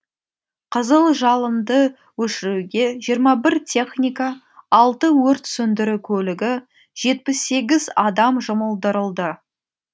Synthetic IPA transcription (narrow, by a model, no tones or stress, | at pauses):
qʰəzəlˠʒɑlˠəmd̪ə | wɵʃɪɾuɡʲe̞ʒijəɾmɑbɪɾt̪ʲʰe̞χnʲijka | ɑlˠt̪əwɵɾt̪sʏnd̪ɪɾukʲʰɵlɪɡʲɪ | ʒ̥e̞t̪̚pɪsːe̞ɡʲɪzɑd̪ɑmʒʊməlˠd̪əɾəlˠd̪ə